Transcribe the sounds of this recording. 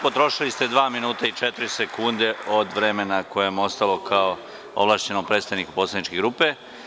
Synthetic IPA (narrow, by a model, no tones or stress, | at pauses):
po̞t̪ɾo̞ʃilist̪e̞d̪ʋaːminuːt̪ait͡ʃet̪ɾise̞kund̪e̞o̞d̪ʋɾe̞menako̞jemo̞st̪alo̞kʰao | o̰ʋlˠaːʃt͡ɕe̞nompɾet̪st̪aʋniku̥poslad̪nit͡ʃkeɡɾuːpe̞